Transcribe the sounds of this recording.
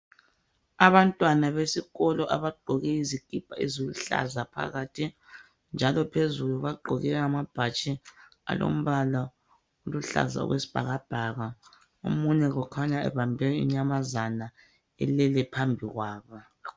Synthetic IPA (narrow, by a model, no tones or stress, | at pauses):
aβantʼwanaβesiɣɔlɔʔaβaɡ͡ǃʱɔɣɛizikʼipʰʼaizuluɬa̰zapʰa̰ɣaːtʰi | nd͡ʒʱalɔpʰezuluβaɡ͡ǃʱɔɣɛɣamab̥ʱat͡ʃʼi | a̰lo̰m̩βala | uluɬa̰za̰ɔ̰ɣwesi̥b̥ʱa̰ɣab̥ʱaɣa | o̰muɲɛɣɔkʰaɲaɛ̰βambʱɛḭɲamazana | ɛ̰lɛlɛpʰambʱiɣwaːβɔ